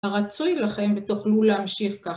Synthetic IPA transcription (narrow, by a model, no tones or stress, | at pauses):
aʁat͡sujlaχe̞mvet̪uχlulehamʃiχka